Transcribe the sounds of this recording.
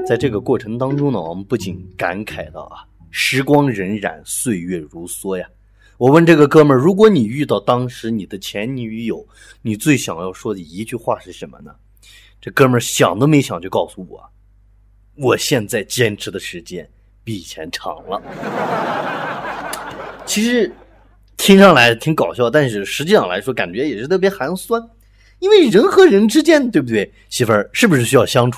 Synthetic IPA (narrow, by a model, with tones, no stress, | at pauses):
t͡sa˥˧ɪʈ͡ʂɤ˥˩ɡə˩kwɔ˥˩ʈ͡ʂʰɤ˧˥ŋt̪ɑ˥ŋʈ͡ʂʊ˥ŋnə˨˩wɔ̰˨˩mə˧˦npu˥˩t͡ɕi˨˩nka˧˥nkʰa˨˩ɪt̪ɑ̰˥˩ʊʔɐ̰˩ | ʂɻ̩˧˥kwɑ˥ŋɻə˧˥nɻa̰˨˩nswe˥˧ɪɥɛ˥˩ɻu˧˥swɔ˥ja˨ | wɔ˨˩wə˥˧nʈ͡ʂɤ˥˩ɡə˩kɤ˥mə˞˥˧˩ɻu˧˥k̬wɔ˧˥ni˨˩y˥˧t̪ɑ˥˩ʊt̪ɑ˥ŋʂɻ̩˧˥ni˨˩d̪ə˦t͡ɕʰjɛ˧˥nni˧˥y˧˥jo˨˩˦ʊ | ni˨˩t͡swe˥˩ɪɕjɑ˨˩ŋjɑ˥˩ʊʂwɔ˥i˨˩i˧˥t͡ɕy˥˧xwa˥˩ʂɻ̩˥˩ʂə˧˥nmə̰˧nə̰˩ | ʈ͡ʂɤ˥˩kɤ˥mə˞˧˩ɕjɑ˨˩ŋd̪ə˦me˧˥ɪɕjɑ˨˩ŋt͡ɕjo˥˧ʊkɑ˥˩ʊsu˧˩wɔ̰˨˩ | wɔ˨˩ɕjɛ˥˧nt͡sa˥˩ɪt͡ɕjɛ˥nʈ͡ʂʰɻ̩˧˥d̪ə˧ʂɻ̩˧˥t͡ɕjɛ˥n | pi˥˩˨t͡ɕʰjɛ̰˧˥nʈ͡ʂʰɑ̰˧˥ŋlə˧ | t͡ɕʰi˧˥ʂɻ̩˧˥ | t̪ʰi˥ŋʂɑ˥˩ŋla˧˥ɪt̪ʰi˧˥ŋkɑ˨˩ʊɕjɑ˥˧ʊt̪a˥˧nʂɻ̩˥˩ʂɻ̩˧˥t͡ɕi˥˧ʂɑ˥˩ŋla˧˥ɪʂwɔ˥ka̰˨˩nt͡ɕɥɛ˧˥jɛ˨˩ʂɻ̩˥t̪ʰɤ˥˩p̬jxa˧˥n˥swa˥n | i˥nwe˥˩ɪɻə˧˥nxɤ˧˥ɻə˧˥nʈ͡ʂɻ̩˥t͡ɕjɛ˥nd̪ə˩t̪we˥˩b̚u˩we˥˩ɪ | ɕi˧˥fə˞˧˥ʂɻ̩˥˩bu˩ʂɻ̩˥˩ɕy˥jɑ˥˩ʊɕjɑ˥ŋʈ͡ʂʰu˨˩